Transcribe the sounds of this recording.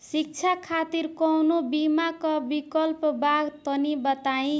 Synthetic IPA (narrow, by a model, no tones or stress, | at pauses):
sik̚t͡sʰakʰat̪iɾkɔwnobimakʌbikʌlpbaɡt̪ʌnibʌt̪aĩ